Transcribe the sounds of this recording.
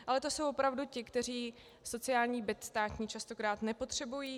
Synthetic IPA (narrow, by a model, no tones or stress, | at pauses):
ʔalɛt̪o̞so̞wvopɾavducɪkt̪ɛr̝iː | so̞t͡sɪaːlɲiːbɪt̪st̪aːc̪ɲiːt͡ʃast̪o̞kɾaːt̪nɛpo̞t̪r̝̥ɛbujiː